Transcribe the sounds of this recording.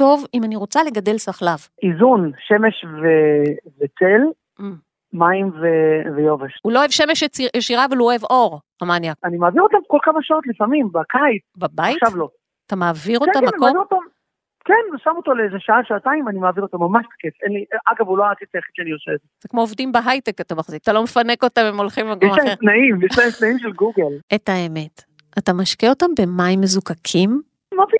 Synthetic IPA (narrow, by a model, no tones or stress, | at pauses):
to̞vimaniʁo̞t͡sale̞ɡade̞lsaχlav | izunʃe̞me̞ʃvevet͡sel | maimvevejo̞veʃhuloːevʃe̞meʃjt͡sieʃiʁavaluoevo̞ʁ | amanjaanimaːviʁo̞t̪amko̞lkamaʃao̞t̪lifamimbakaitbabaiʃavlo̞ | at̪amaːviʁoammakoamviʁot̪am | kenosamot̪oleezeʃaaʃaːtaimanimaːviʁotamːamaʃtḁkefenliʔaɡavuloaket͡saaχitʃanioseːdzez̥ekmoovdimbeɦajtekat̪amaχzikat̪alo̞mefane̞ko̞tamemo̞lχimakjɛmaaenaimjɛʃnaemtnaimʃelɡuɡeletaeme̞t | ʔatamaʃkeo̞tambe̞maimːezukakʰim | mavi